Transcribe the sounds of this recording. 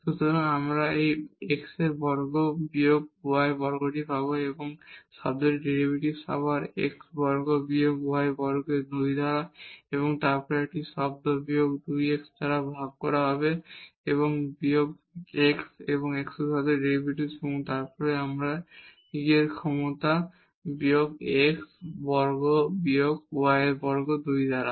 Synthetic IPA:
ʃut̪oɾaŋamɾaejekseɾbɔɾɡobijoɡ̚boaebɔɾɡoʈipaboeboŋʃɔ̰bd̪eɾɖeɾibʱiʈisa̰baɾḛksbɔɾɡobiokboajebɔɾɡenuid̪ʱaɾaeboŋt̪aɾpɔɾɛʈiʃɔb̚d̪obioɡd̪ujeksd̪aɾabʱaɡ̚kɔɾaɦɔbeeβoŋbiok | eksḛboŋeksuʃɔd̪eɾɖeɾibʱiʈiseboŋt̪aɾpɔɾeamɾa | iɡeɾkʰɔmot̪a | bijoɡeksbɔɾɡobioɡwajbɔɾɡod̪ujd̪ʱaɾa

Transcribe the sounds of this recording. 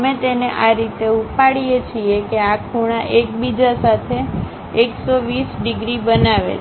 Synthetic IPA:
met̪eneʔaɾit̪eupaɽijet͡ʃʰiekeakʰuɽ̃aʔek̚bid͡ʒasat̪ʰeː | ksoʋisɖɪɡɾibənaʋḛ

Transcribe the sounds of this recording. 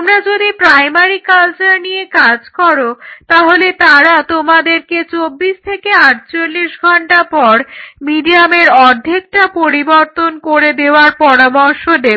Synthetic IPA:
mɾad͡ʑod̪ipɾajmaɾikalt͡ɕaɾnijekad͡ʑkɔɾot̪aɦolet̪aɾat̪omad̪eɾket͡ɕobːiʃt̪ʰekeaʈ̚t͡ɕolːiʃɡʱɔɳʈapɔɾmiɖiameɾɔd̪ʱːek̚ʈapoɾibɔɾt̪onkoɾed̪eoaɾpɔɾamɔɾʃod̪e

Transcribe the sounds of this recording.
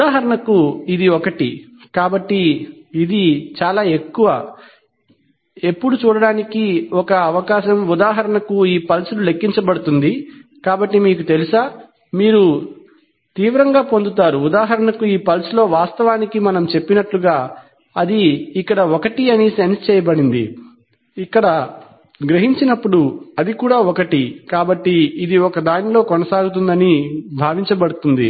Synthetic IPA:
aːɦɐɾɐɳɐkuid̪iɔkɐʈi | kaːbɐʈːiːd̪it͡ʃaːlaːe̞kːuʋɐ | e̞pːuɽut͡ʃuːɽɐɽaːnikiɔkɐːʋɐkaːʃɐmud̪aːɦɐɾɐɳɐkuiːpɐlsululekːiɲt͡ʃɐbɐɽut̪und̪ikaːbɐʈːimiːk̬ut̪e̞lusaː | miːɾu | t̪iːʋɾɐŋɡaːpo̞nd̪ut̪aːɾuːd̪aːɦɐɾɐnɐkuiːpɐlsulo̞ːʋaːst̪ɐʋaːnikimɐnɐmt͡ʃe̞pːinɐʈluɡaː | ɐd̪iːkːɐɽɐɔkɐʈiɐnisenst͡ʃɛːjɐbɐɽind̪ḭ | ikːɐɽɐ | ɡɾeɦiɲt͡ʃinɐpːuɽuɐd̪ikuːɽaːɔkɐʈikaːbɐʈːiːd̪iɔkɐd̪aːnilo̞ːkɔnɐsaːɡut̪̬und̪ɐnibʱaːʋiɲt͡ʃɐbɐɽut̪und̪ḭ

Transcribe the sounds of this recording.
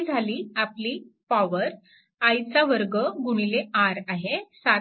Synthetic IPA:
d͡zʱaliːapliːpaʋəɾ | ajt͡saʋəɾɡəɡuɽ̃ileaɾaɦesa

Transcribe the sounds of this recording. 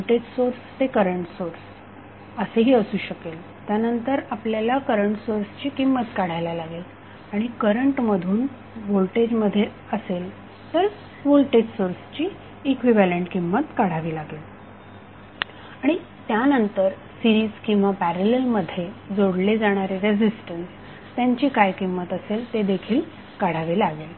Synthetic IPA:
olʈed͡ʑsoɾst̪ekəɾəɳʈsoɾs | əseɦiːəsuːɕəkel | t̪janənt̪əɾapljalakəɾəɳʈsoɾst͡ɕiːkimːət̪kaɽ̤ajlalaɡel | aɽ̃ikəɾəɳʈməd̪ʱuːn | ʋolʈed͡ʑməd̪ʱːje | əsel | t̪əɾ | ʋolʈed͡ʑsoɾst͡ɕiː | kʋiʋæleɳʈkimːət̪kaɽ̤aʋiːlaɡeːl | aɽ̃i | t̪janənt̪əɾ | siɾiːskĩw̃ʋapæɾəlelməd̪ʱːjed͡zoɽled͡zaɽ̃aɾeɾed͡zisʈəns | t̪jaɲt͡ɕiːkajkimːət̪əselt̪ed̪ekʰiːl | kaɽ̤aʋiːlaɡel

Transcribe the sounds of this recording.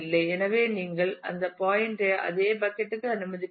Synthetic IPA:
lːɐɪɛnɐʋeːniːŋɡɐɭɐ̰nd̪ɐpaːjɪɳʈeʔɐ̰ðeːbɐkːɛʈːɯkːɯɐnɯmɐðɪkː

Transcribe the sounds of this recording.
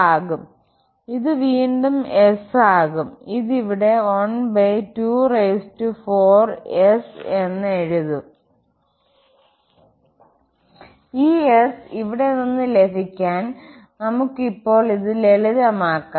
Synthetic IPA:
aːɣum | iðɨʋiːɳɖumesaːɣumiðiʋiɽe̞ɐɳbejtuːrejstufoːrese̞nːeɻuðu | iːesiʋiɽe̞ninːɨlebʱikʲːaːn | nɐmukːipːo̞ːɭiðɨle̞lɐðɐmaːkːa

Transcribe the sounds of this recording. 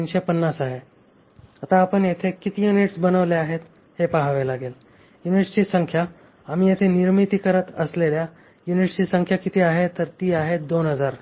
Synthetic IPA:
inɕepənːasaɦe | at̪aːpəɳjet̪ʰekit̪ijuniʈsbənəʋleaɦet̪ | hepaɦaʋelaɡel | juniʈst͡ɕiːsəŋkʰja | amiːjet̪ʰeniɾmit̪ikəɾət̪əslelja | juniʈst͡ɕiːsəŋkʰjakit̪ʰiaɦet̪əɾt̪iːaɦed̪onɦəd͡zaɾ

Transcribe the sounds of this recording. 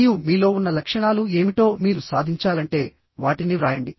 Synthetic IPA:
jumiːlo̞ːunːɐlɐkʂɐɳaːlue̞ːmiʈo̞ːmiːɾusaːd̪ʱiɲt͡ʃaːlɐɳʈe̞ː | ʋaːʈiniɾaːjɐɳɖi

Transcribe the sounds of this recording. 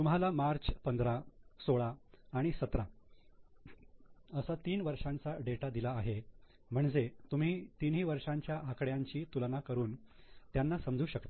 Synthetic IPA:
t̪umɦalamaɾt͡spənd̪ɾasoɭaːɽ̃isət̪ɾa | əsat̪iːnʋəɾʂãnt͡saɖeʈad̪ilaːɦe | m̤əɳd͡zet̪um̤iːt̪inɦiːʋəɾʂãɲt͡ɕjaʔakɽjaɲt͡ɕiːt̪ulnakəɾuːnt̪janːasəmd͡zʱuːɕəkt̪ḁ

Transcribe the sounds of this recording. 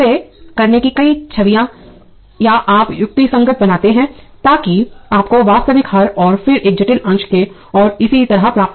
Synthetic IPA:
ekɐɾnekikɐit͡ʃʰɐʋijã | jaʔaːpjʊk̚t̪isɐ̃ŋɡət̪̚ʰbɐnaːt̪eɦɛ̃ːt̪aːkiaːpkoʋaːst̪əʋɪkɦɐɾɔːɾfɪɾʔeːk̚d͡ʒɐʈɪlɐ̃nt͡ʃke | ɔːɾɪsit̪ɐɾapɾaːp̪̚

